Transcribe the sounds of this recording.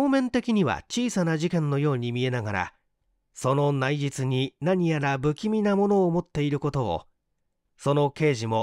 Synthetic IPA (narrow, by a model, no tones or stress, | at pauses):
oːmẽ̞nt̪e̞kʲiɲ̟iβa̰t͡ɕiːsanaʑikẽ̞nːo̞jo̞ːɲ̟imʲie̞naɡaɾa̰ | so̞no̞naiʑit͡sɨɲ̟inaɲ̟ijaɾabɯ̟kʲimʲinamo̞no̞ːmo̞t̪ːe̞iɾɯ̟ko̞t̪o̞̰ː | so̞no̞ke̞ːʑimo̞